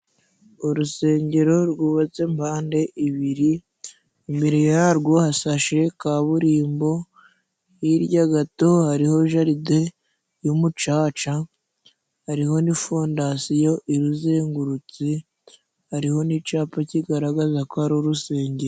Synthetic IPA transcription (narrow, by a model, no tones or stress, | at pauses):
uɾuse̞ːɲɟe̞ɾo̞ɾɡuβat͡se̞mbaːnde̞ʔiβiɾi | imbe̞ɾejaɾɡo̞hasaʃe̞kaβuɾiːmbo̞ | jiɾɟaɡato̞haɾiho̞ʒaɾide̞ | jumut͡ʃaːt͡ʃa | haɾiho̞nifondasijo̞ʔiɾuzeːŋɡuɾut͡si | haɾiho̞nit͡ʃaːpaciɡaɾaɡazakohaɾoɾuse̞ːɲɟeɾo